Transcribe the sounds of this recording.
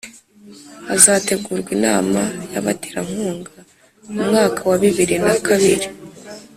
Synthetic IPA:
azaːte̞ɡuːɾɡwinaːmajaβateːɾaŋ̥huːŋɡa | mumŋaːkawaβiβiɾinakʰaβiɾi

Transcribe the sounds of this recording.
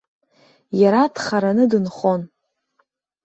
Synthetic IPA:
jaɾadχaɾanɨdɨnχo̞n

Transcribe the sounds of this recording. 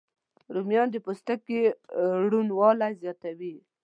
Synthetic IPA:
ɾumjɑnd̪əpust̪akːeɽunwɑlazjɑt̪awi

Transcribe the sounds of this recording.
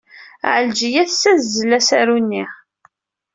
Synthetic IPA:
ʕəld͡ʒijæθsæzːəlːæsæɾunːiʁ

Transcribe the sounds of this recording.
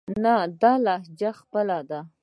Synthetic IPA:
nad̪ɑlɑhd͡ʒaxpəlad̪a

